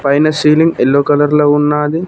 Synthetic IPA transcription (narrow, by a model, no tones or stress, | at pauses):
pɐjnɐsiːliŋɡelːoːkɐlɐɾlɐunːaːd̪i